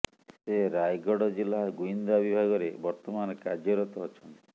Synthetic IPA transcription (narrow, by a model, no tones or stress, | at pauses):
seɾajɡɔɽɔd͡ʒilːaɡuind̪abibʱaɡɔɾebɔɾt̪ɔmanɔkaɾd͡ʒɔɾɔt̪ɔːt͡ʃʰɔnt̪i̥